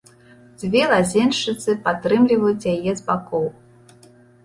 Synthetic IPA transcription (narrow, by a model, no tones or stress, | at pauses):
d͡zʲvʲɛlˠazʲɛnʂɨt̪sɨpat̪ɾɨmlʲivɐjut͡sʲjajɛzbakɔw